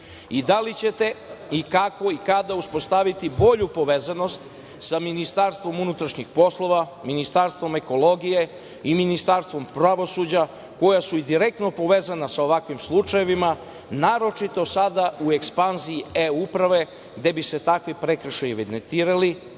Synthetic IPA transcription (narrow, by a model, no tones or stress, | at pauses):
id̪alit͡ɕe̞t̪e̞ikako̞ikad̪auspo̞st̪aʋit̪ibo̞ʎupo̞ʋeːzano̞st̪ | saminist̪aɾst̪ʋo̞munut̪ɾaʃɲixpo̞slˠo̞ʋa | minist̪aɾst̪ʋo̞me̞ko̞lo̞ɡije̞ | iminist̪aːɾst̪ʋo̞mpɾaʋo̞suːd͡ʑa | ko̞jasuid̪iɾe̞k̚t̪no̞po̞ʋeːzanasao̞ʋakʋimslˠut͡ʃajeʋima | naːɾo̞t͡ʃit̪o̞sad̪aue̞kspanziːeupɾaʋe̞ | ɡd̪e̞bise̞t̪akʋipɾekɾ̩ʃajiʋid̪ent̪iːɾali